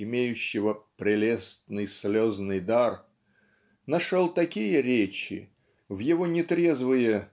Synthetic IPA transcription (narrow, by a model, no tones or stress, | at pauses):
ɪmʲejʉɕːɪvəpɾʲɪlʲest̪nɨjsʲlʲo̞znɨjd̪ar | nɐʂolˠt̪ɐkʲijəɾʲet͡ɕɪ̰ | vjɪvo̞nʲɪt̪ɾʲezvɨjə